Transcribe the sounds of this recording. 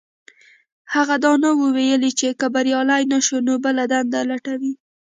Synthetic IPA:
haɣad̪ɑnawəwejəlit͡ʃekəbaɾjɑlajnaʃonobəlad̪and̪alaʈawi

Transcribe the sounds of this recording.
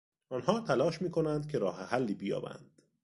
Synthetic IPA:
ɒːnhɒːt̪ʰælɒːʃmiːkʰo̞nænd̪cʰe̞ɾɒːhehælːiːbijɒ̰ːbæ̰nd̪̥

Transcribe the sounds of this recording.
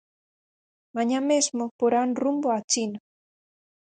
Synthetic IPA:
maɲamezmopoɾanrumboat͡ʃin

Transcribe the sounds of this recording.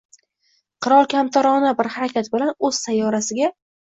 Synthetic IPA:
qʰɨɾɒlˠkʲʰamt̪ʰaɾɒnabɪɾhaɾakʲat̪bɪlanɵz̥sajːɒɾasɪɡʲa

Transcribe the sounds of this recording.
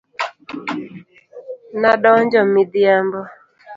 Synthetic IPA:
naɗɔɲd͡ʒɔmidiambɔ

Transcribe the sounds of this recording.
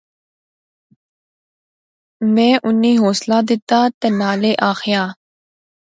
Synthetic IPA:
mɛ̃ːʔʊnːiːɦoːslaːd̪ɪt̪aːt̪enaːleːʔaːxɪjaː

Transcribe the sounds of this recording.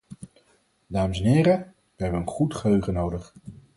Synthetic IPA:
daːməsɛnɦɪːɾə | ʋəɦɛbəənχutχəɦøɥχənowdəχ

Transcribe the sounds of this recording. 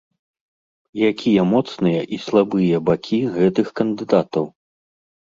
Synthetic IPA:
jakʲʰijɐmɔt̪snɨjɐʔislˠabɨjɐbakʲʰiɣɛt̪ɨxkɐnd̪ɨd̪at̪ɐw

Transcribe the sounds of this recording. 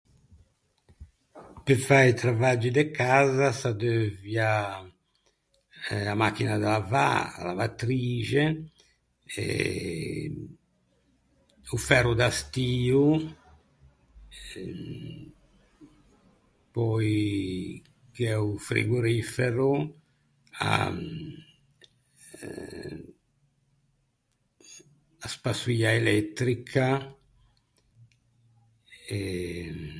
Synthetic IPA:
pɛfajt̪ɾavad͡ʒːid̪ɛkaːzasad̪øvja | amakːinad̪alava̰la̰vat̪ɾiːd͡ʒɛ | ɛ̰ | ufɛɾud̪ast̪iːu | pɔj | kɛufɾḭɡuɾifeɾu | a̰ | aspasiaelɛt̪ɾikʰa | ɛ

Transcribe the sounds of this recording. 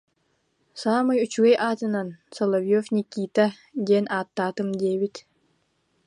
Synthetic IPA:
saːmɯjut͡ɕyɡɛjʔaːt̪ɯnansɔlˠɐvjɔfnʲikːiːt̪a | d̪iɛnʔaːt̪ːaːt̪ɯmd̪iɛbit̪

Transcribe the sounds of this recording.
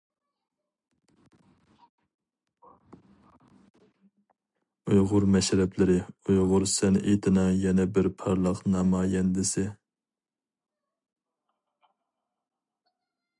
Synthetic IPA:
ujʁʊɾmɛʃɾɛplɪɾɪujʁʊɾsɛnʔet̪ɪnɑjɛnɛbɪɾpʰɑɾlˠɑqnɑmɑːjɛnd̪ɪsɪ

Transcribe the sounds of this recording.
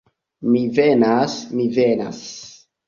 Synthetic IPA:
mivenasmivena̰s

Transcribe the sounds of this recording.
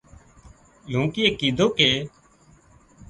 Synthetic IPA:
l̤ũːkɪeːkiːd̪ʱoːkeː

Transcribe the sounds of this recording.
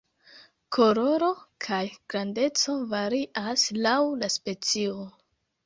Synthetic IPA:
kʰo̞ɾo̞ɾo̞kʰajɡ̥ɾande̞t͡so̞vaɾiʔaslawlaspe̞t͡sio̞

